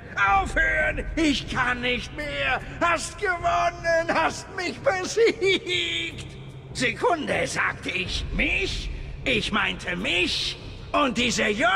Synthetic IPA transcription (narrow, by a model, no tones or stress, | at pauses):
ʔaʊfhøːənɪçkʰanːɪçt̚meːɐ | hastɡ̥əvɔnənhastmɪçb̥əziːkt | z̥ekʰʊndəza̰ːk̚tʰəɪçmɪçʔɪçmaɪntʰəmɪç | ʔʊnt̚d̥iːzɐjɔ